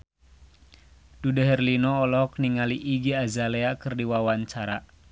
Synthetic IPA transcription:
d̥udəɦɛrlinɔːlɔk̚niŋaliʔːɡiazalɛakɨrdiwawaɲt͡ʃaɾa

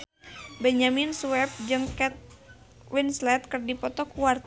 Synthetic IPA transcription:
bɛɲamɪnsuwɛp̚d͡ʒɨŋkɛt̪̚ | winslɛt̪̚kɨrdipɔt̪ɔkuwart̪

